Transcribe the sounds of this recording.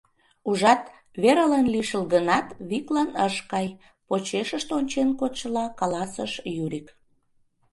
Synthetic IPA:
uʒɑt̪ | βeɾəlenliʃəlɣənɑt̪βiklɑnəʃkɑj | pot͡ɕeʃəʃt̪onʲt͡ɕenkot̪ʃəlɑkɑlɑsəʃjyɾʲik

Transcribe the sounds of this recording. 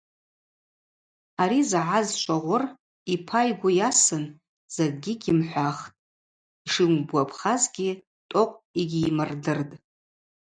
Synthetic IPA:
aɾizʕazʃʷʰʼaʁʷʊr | ipʰajɡʷʊjasɨn | z̥eɡ̚ʼɡʲiɡʲɪmħʷaχtʼ | iʂɨŋʷbʷapʰχazɡʲi | tʼoqʷʼiɡʲiːmɨrdɨrtʼ

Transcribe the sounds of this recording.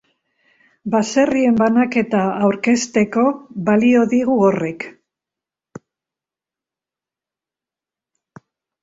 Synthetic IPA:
base̞rie̞mbanake̞t̪aːwɾke̞st̪e̞ko̞βalio̞ðiɣuore̞k

